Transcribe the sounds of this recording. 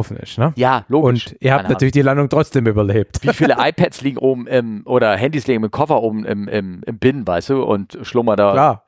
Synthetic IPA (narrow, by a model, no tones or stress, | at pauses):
fn̩ɪ̰ʃtnəjaːloːɡʊnɪɪɐhaːnnatyːɐlɪçd̥iːlandʊŋtʁ̥ɔt͡sd̥eːmyːbɐleːp̚tviːfiːləʔaɪpʰɛtsliːɡŋ̩ʔoːbm̩ʔɪmʔoːɾɐɦɛndiːsliːɡŋ̩mɪt̚kʰɔfɐʔoːbm̩ʔɪ̰mʔɪ̰mɪmb̥ɪnvaɪstd̥uːʔʊ̰ntʃlʊmɐdaːaː